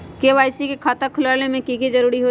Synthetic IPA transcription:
keʋaːɪsikekʰaːt̪akʰʊlaːlnemẽkiked͡ʒɐɾuːɾiɦo

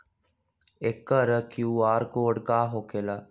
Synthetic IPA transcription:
ekəɾəkjuːaːɾkoːɖkaːɦokela

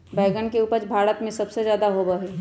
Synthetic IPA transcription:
bɛːɡənkeuːpət͡ʃbʱaːɾət̪mẽsɐbsezjaːd̪aɦobəɦe

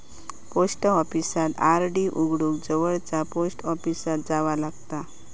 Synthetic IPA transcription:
posʈəɔfisat̪aɾɖiʔuɡɽukd͡zəʋəɭt͡saposʈɔpisat̪̚d͡zaʋalaɡt̪a

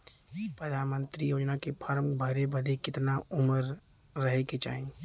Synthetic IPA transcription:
pɾəd̪ʱaːnmə̃nt̪ɾijoːd͡ʒnakepʰəɾəmbʱɐɾebɐd̪ʱekɪt̪naʊməɾː | ɐɦeket͡ʃa̰ːẽ

